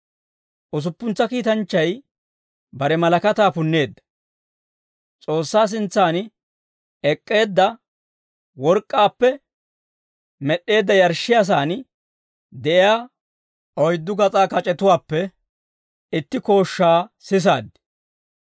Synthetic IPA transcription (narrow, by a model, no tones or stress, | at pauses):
ʔʊs̬ʊpːʊnt͡sːɐkiːt̪ɐnt͡ʃːɐj | bɐɾɛmɐlɐkɐt̪aːpʊnːe̞ːd̪ːɐ̥ | t͡sʼo̞ːsːaːs̬ɪnt͡sːaːn | ɛkʼːe̞ːd̪ːɐ | wɔɾkʼːaːpːɛ | mɛɗːe̞ːd̪ːɐjɐɾʃːɪjas̬aːn | d̪ɛʔɪjaː | ʔɔjd̪ːʊɡɐt͡sʼaːkɐt͡ʃʼɛt̪ʊwaːpːɛ | ɪt̪ːɪko̞ːʃːaːsɪs̬a̰ːd̪ɪ̥